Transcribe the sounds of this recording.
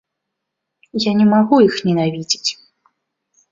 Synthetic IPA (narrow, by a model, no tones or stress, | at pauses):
janʲɛmaɣujixnʲɛnavʲid͡zʲi̥t͡sʲ